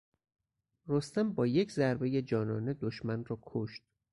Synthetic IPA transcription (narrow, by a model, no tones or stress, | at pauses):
rost̪æmbɒːje̞cʰzæɾbeje̞d͡ʒɒːnɒːned̪oʃmænrɒːkʰoʃt̪̚